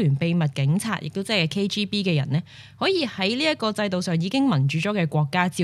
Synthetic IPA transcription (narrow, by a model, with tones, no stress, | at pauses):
lyː˨˩npe˧jmɐ˨t̚kɪ˨˥ŋt͡sʰa̰ː˧t̚jʔɪ˨k̚t̪o˥t͡sɛː˥˩kːkʰe˥jt͡ʃiː˥piː˥kɛː˧jɐ̰˨˩nlɛː˥ | hɔː˨˥jiː˧hɐ˨˥jliː˥jɐ˥t̚kɔː˧t͡sɐ˧jt̪o˨wsœː˨ŋjiː˨˧kɪ˥ŋmɐ˨˩nt͡ʃyː˨˥t͡ʃɔː˨˥kɛː˧kʷɔː˧kːaː˥t͡siː˧